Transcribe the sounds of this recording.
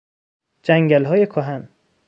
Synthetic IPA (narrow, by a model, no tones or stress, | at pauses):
d͡ʒæŋɟælɦɒːjekʰoɦæn